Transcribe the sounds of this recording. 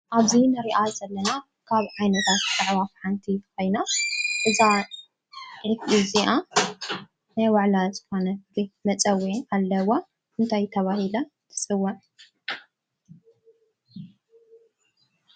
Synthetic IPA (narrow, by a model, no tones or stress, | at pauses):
ʔaβzinɨɾiʔazɐlːɐna | kʰaβʕajnɐt̪ʰat̪t̪ʼɨʕβafħant̪ʰikʰo̞jnaʔɨza | ʕɨfʔiziʔa | najwaʕlazɨko̞nɐɡɨmɐt͡sʼɐwialːɐwo | ʔɨnt̪ʰajt̪ʰɐβahilɐ | t̪ʰɨ̥sʼɨwːɐn